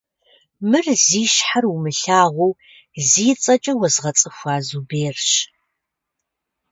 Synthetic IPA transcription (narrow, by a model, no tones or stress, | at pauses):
mɨrziːʃħarumɨɬaːʁʷu | ziːt͡sʼɐt͡ʃʼɐwɐzʁɐt͡sʼɨxʷaːzubeːrɕ